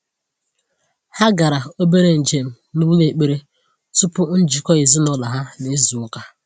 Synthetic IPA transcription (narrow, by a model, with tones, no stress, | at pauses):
ha˦ɡa˨ɾa˨o˦be˦ɾe˦n̩˨d͡ʒe˨m̩˦˨ | nu˦ŋ˦e˨k͡pe˦ɾe˦ | tʊ˦pʊ˦n̩˦d͡ʒi˨kɔ˦i˨zi˦nɔ˦la˨ɦa˦ne˨˦zu˨ʊ˦ka˦